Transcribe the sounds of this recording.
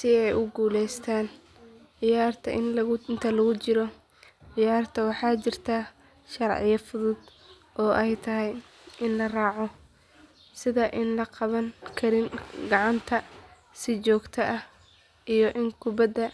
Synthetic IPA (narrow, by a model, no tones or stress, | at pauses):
sɪɛjʔʊɡuːlɛjst̪ʰaːn | ʕɪjaːrt̪ʰɐ̰ʔɪ̰nlɐɣʊnt̪ʰɐlɐɣʊt͡ʃɪɾɔ | ʕɪjaːrt̪ʰɐwɑħɑːt͡ʃɪrt̪ʰa | ʃɑrʕɪ̰jɐfʊðʊd̪̥ | ʔɔːʔɛjt̪ʰɐɦɛj | ʔɪnlɐrɑːʕɔ | sɪðɐʔɪnlɐqɑβɐŋkʰɐɾɪnɡɑʕɑnt̪ʰɐ | sɪt͡ʃɔːɡt̪ʰɐʔɐh | ʔijɔʔɪŋkʰʊbɐd̪ɐ